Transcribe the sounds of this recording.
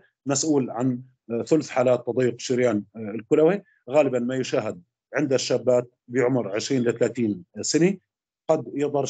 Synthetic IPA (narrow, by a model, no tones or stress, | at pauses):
masʔuːlʕan | θʊlθħaːlaːt̪ːɑd̪ˤijːʊqʃɪɾjaːnɪlkʊlawi | ɣaːlɪbanmajʊʃaːɦɪd̪̚ | ʕɪnd̪aʃːaːbːaːt̪̚bɪʕʊmɾʕɪʃɾiːnʔlɪt̪alaːt̪iːnsɪni | qɑd̪jɑd̪ˤɑɾˤ